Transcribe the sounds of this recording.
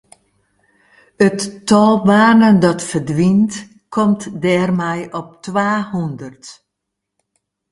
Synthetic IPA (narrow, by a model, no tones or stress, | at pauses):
ətːɔlˠbaːnəndɔtfərdʋint | kʰɔmtdɛːrmɛjʔɔp̚tʋaːhundərt